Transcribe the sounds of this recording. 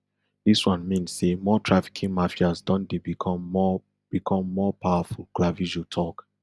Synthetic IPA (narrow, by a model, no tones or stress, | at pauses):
diswãnmĩnsːemɔtʰɹafi̥kʰĩŋmafiazdɔ̃ndebikʰɔɔ | b̥ikʰɔ̃mːɔpawafulklavid͡ʒotʰɔk